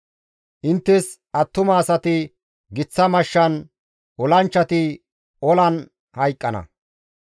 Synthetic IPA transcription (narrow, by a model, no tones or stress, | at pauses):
ʔɪnt̪ːɛs | ʔɐt̪ːʊmɐːsɐt̪ɪ | ɡɪt͡sːɐmɐʃːɐn | ɔlɐnt͡ʃːɐt̪ɪ | ɔlɐn | hɐjkʼːɐnɐ̰